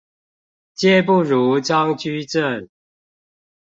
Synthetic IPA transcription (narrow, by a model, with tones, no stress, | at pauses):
t͡ɕjɛ˥˧˨pu˥˨ɻu˨˦t͡sɑ˦ŋt͡ɕy˥˦ʈ͡ʂə˥˨n